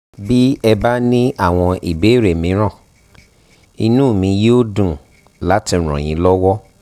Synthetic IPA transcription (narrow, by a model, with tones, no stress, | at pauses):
bi˦ɛ˧ba˦nĩ˦a˦˨w̃ɔ̃˧ʔi˨be˨˦˨ɾe˨mĩ˨˦ɾ̃ã˦˨ | i˧nũ˦˨mĩ˧je˦o˦dũ˨ | la˨˦ti˧˨ɾ̃ɔ̰̃˨j̃ĩ˨˧˦lɔ˦wɔ˦